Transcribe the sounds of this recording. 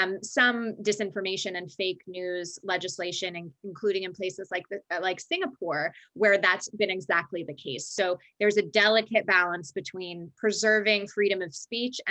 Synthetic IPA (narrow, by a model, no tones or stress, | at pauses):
msʌ̃mdɨsɪ̃ɱfə˞meɪʃɨ̃nɨ̃nfeɪknʉzlɛd͡ʒɨsleɪʃɨ̃nɨ̃nɨ̃nkʰl̥uɾɪ̃ŋɨ̃npʰl̥eɪsɨzlaɪk̚ðɨlaɪksɪ̃ŋəpʰɔɹwə˞ðætsb̥ɨ̃nɨɡzæk̚tʰˡliðɨkʰeɪsoʊ | ðə˞zɨdɛlˠəkʰɨt̚b̥ælˠə̃nsb̥ɨtʰw̥ĩnpʰɹ̥ɨzɜ˞vɪ̃ŋfɹiɾɨ̃mʌv̥spit͡ʃɨ̃